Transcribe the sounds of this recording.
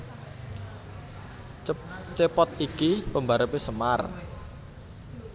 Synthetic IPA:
t͡ʃepɔt̪̚ikipəmbaɾəpesəma̰r

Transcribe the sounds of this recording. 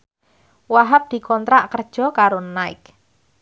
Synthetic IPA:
waɦap̚d̪̥i̤kɔnt̪ɾaʔkərd̥ʒ̥ɔ̤kaɾonaɪ̰k

